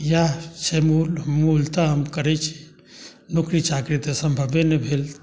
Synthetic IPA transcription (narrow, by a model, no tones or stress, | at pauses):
jat͡ʃʰemulmult̪aɦəmkəɾɛt͡ʃʰi̥ | nokɾit͡ʃakɾit̪esəmbʱəbenebʱel